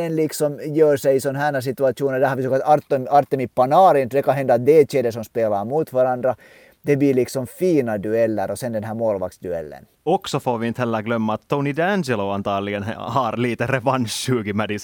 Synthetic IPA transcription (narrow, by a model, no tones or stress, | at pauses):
ɛnlɪksɔmjøːɾʂɛjisɔnɦæːnɑs̬ɪt̪ʉɑt̪uːnənd̪æːhɑɾʋisoːkɑt̪ɑɾt̪ːmɑɾt̪ːɛmipɑnɑːɾɪnd̪ɛkɑnɦɛnd̪ɑt̪̚d̪eːt͡ʃeːd̪ɛsɔmspeːlɑɾmuːt̪ʋɑɾɑnd̪ɾɑ | d̪ɛbliːɾlɪksɔmfiːnɑd̪ʉɛlːæɾɔsɛnd̪ɛnɦæːɾmoːlʋɑ̰ksd̪ʉɛ̰lːə̰n | ɔksɔfoːʋint̪hælːæɡlœmːɑːt̪ʰːonid̪ænd͡ʒɛloɑnt̪ɑːɾliɡɛnhɑːɾliːt̪ɛɾɛʋɑnʃʉːɡɪmædɪs